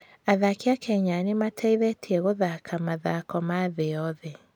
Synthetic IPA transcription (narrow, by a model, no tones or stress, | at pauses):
aðakeakʰɛɲanematʰɛiðɛtʰiɛɣoðakʰamaðakɔmaðeɔðɛ